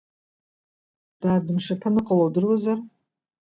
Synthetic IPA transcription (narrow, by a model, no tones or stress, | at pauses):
d̥ardɨmʂapʰanɨqʼalowdɨrwazar